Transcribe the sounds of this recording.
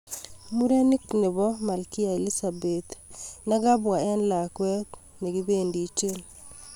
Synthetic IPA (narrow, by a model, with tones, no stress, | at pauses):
mu˦ɾe˦ni˦kne˨bɔ˦ma˨lki˦a˨e˨li˦sa˨bet̪na˦ɡa˦bwa˨ɛ˦nla˨kwɛ˦kne˨ɡi˦be˦ndi˨t͡ʃe˦n